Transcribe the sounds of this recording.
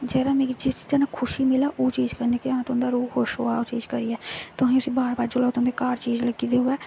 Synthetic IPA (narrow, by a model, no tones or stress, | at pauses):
d͡ʒɛːɾaːmẽːid͡ʒɪst̪ənãːkʰʊʃiːmɪlaːʔoːt͡ʃiːd͡ʒkəɾneːkeaãːt̪ʊ̃nd̪aːɾuːhʊʃɦoːaːoːt͡ʃiːd͡ʒkəɾiːɛːt̪ʊsĩːʊsĩːbaːɾbaːɾt͡ʃʊlaːt̪ʊ̃nd̪ekaːɾt͡ʃiːd͡ʒləɡiːd̪eːɦʊɛː